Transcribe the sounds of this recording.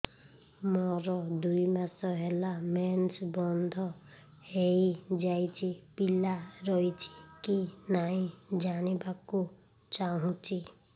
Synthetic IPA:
mɔɾɔd̪ujmasɔɦelament͡ʃbɔnd̪ʱɔ | hejd͡ʒajt͡ʃʰipilaɾɔjt͡ʃʰi̥kinaĩd͡ʒanibaku | t͡ʃaɦũt͡ʃʰi

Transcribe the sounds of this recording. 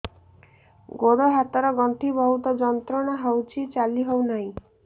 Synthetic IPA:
ɡoɽoɦat̪ɔɾɔɡɔnt̪ʰibɔɦut̪ɔd͡ʒɔnt̪ɾɔɽ̃ɔɦɔwt͡ʃʰit͡ʃaliɦownaɦĩ

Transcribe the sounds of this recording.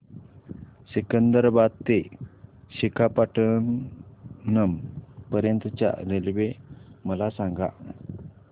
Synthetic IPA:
ɕikənd̪əɾbat̪e | ɕikʰapaʈʰənː | əmpəɾjənt̪ət͡ɕja̰ɾelʋeməlasãŋɡa̰

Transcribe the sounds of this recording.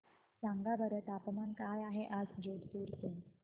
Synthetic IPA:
t͡sãŋɡabəɾət̪apmankajaɦeʔad͡zd͡ʑoɽt̪uːɾt̪en

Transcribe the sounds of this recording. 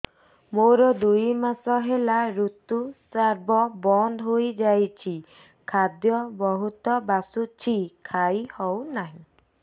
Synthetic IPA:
moɾɔd̪ujmasɔɦelaɾut̪usaɾbɔbɔnd̪ɦojd͡ʒajt͡ʃʰi | kʰad̪jɔbɔɦut̪ɔbasut͡ʃʰikʰajhɔwnaɦĩ

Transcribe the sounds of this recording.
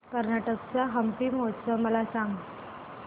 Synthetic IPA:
kəɾnaʈək̚t͡saɦəmpiːmot͡səməlasaŋɡ

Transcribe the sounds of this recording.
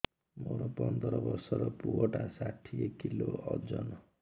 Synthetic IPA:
moɾopʌnd̪ɾʌbʌrsʌɾʌpuɦoʈasaʈʰːiekːiloʌrd͡zʌn

